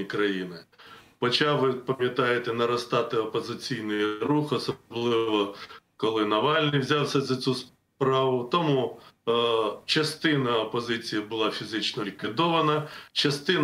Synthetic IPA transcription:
ikɾɐjinɪpɔt͡ʃɑʋɪpɐmʲjɐt̪ɑjet̪ɛnɐɾɐst̪ɑt̪ɪɔpɔzɪt͡sʲijnɪjruxɔsɔblˠɪʋɔkɔlˠɪnɐʋɑlʲnɪjwzʲɑwsʲɐzɐt͡sʲus | pɾɑʋʊt̪ɔmu | t͡ʃɐst̪ɪnɐɔpɔzɪt͡sʲijɐbʊlˠɑfʲizɪt͡ʃnɔlʲikʋʲid̪ɔʋɐnɐt͡ʃɐst̪ɪn

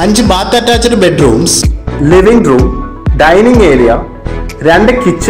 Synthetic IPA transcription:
ɐɲd͡ʑɨbaːt̪ːaːʈːaːt͡ɕːɐɾɨbeɖruːmsliʋiŋɡɖɾuːm | ɖɐjniŋɡeːɾijɐ | ɾeɳɖɨkit͡ɕː

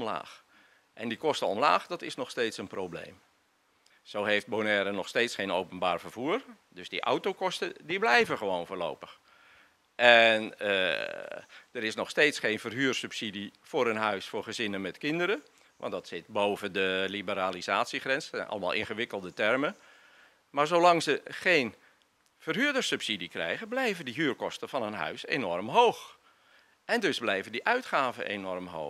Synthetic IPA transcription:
ɔmla̰ːx | ʔɛndikɔstəɔmlaːxdɔtɪsnɔxsteːtsənprowblḛːm | sowɦejft̚bonɛːɾənɔxsteːtsχeːnowpənbaːrvərv̥uːr | døsdḭʔa̰wtokɔstədiblɛjvəχəʋoːnvʊːrlo̰wpəx | ʔɛnə̰ | dəɾɪsnɔxsteːtsxeːnfərɦyːrsypsidifʊːɾənɦœɥsfʊːrχəzɪnənmɛtkɪndəɾə | ʋɑ̰ntdɑtsɪtbowvəndəlibəɾaːlizaːtsiχrɛnsɛnʔɑ̰ləma̰lˠʔɪ̰nχəʋɪkəlˠdətɛrmə | maːɹzowlɑŋzəχeːn | fərɦyːdərsypsidikrɛ̰jɣəblɛjvəndiɦyːrkɔstəvɑnənɦœ̰ɥsḛnɔrmɦoːx | ʔɛndøzblɛjvəndiʔœɥtχaːvə̰nʔḛnɔrmɦo̰ː

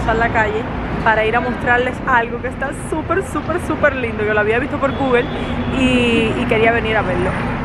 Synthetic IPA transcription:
salakaʝe̞paɾaiɾamo̞st̪ɾaɾle̞salɣo̞kest̪asupe̞ɾsupe̞ɾsupe̞ɾlind̪okeloaβiaβist̪o̞po̞ɾɡuɣe̞liːke̞ɾiaβe̞niɾaβeɾlo̞

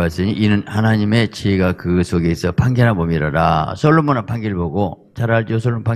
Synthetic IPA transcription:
as͈ɯɲiinɯnhanaɲime̞t͡ɕʰeɡakɯsʰoɡeːsʰʌpaŋɡjʌnɦanbomiɾadasʰʌɭːomonanpaŋɡiɭboɡo | t͡ɕaɾaɭd͡ʑos̬ʰoɭompa

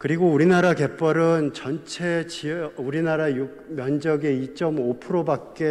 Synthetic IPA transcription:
kɯɾiɡouɾinaɾake̞p͈ʌɾɯnt͡ɕʌnt͡ɕʰe̞t͡ɕiuɾinaɾajuk̚mjʌnd͡ʑʌɡeit͡ɕ͈ʌmopʰɯɾobak̚k͈e

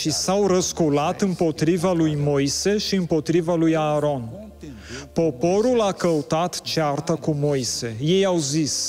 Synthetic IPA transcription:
ʃisawɾəskulat̪ɨmpo̞t̪ɾivalujmo̞jse̞ʃiɨmpo̞t̪ɾivalujaːɾo̞n | po̞po̞ɾulakəut̪at̪t͡ʃeart̪akumo̞jse̞je̞jawzis

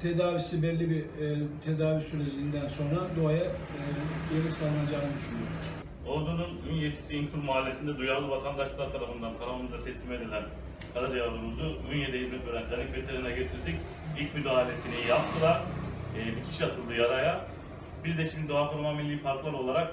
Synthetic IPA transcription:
t̪ʰed̪aːvisibɛlʲːibit̪ʰed̪aːvisyɾed͡ʒiind̪ænso̞nɾad̪oɦaja | jeɾisalˠɯnad͡ʒaːnɯd̪yʃynyoɾd̪uɾ | oɾd̪ununynjet̪ʰi̥siːnt̪ʰuɾmoɦalʲːe̞sind̪ɛd̪ujaɾlˠɯvat̪ʰand̪aʃllˠaɾt̪ʰaɾafɯnd̪ankʰaɾamˠɯmɯzat̪ʰɛslʲime̞d̪elʲæn | kʰaɾad͡ʒajaɾd̪umuzuynjed̪ɛjizmɛt̪vøɾænt̪ʰanʲicvet̪ʰeɾʲinɛɟøt̪ʰiɾd̪ic | ilʲcʲmyd̪aːɦilʲe̞sinijapt̪ʰɯd̪aː | bicʰi̥ʃiat̪ʰɯlˠd̪ɯjaɾaja | biɾd̪ɛʃimd̪id̪oafoɾmamilʲːiːipʰaɾk̪lˠaɾo̞lˠaɾak̚

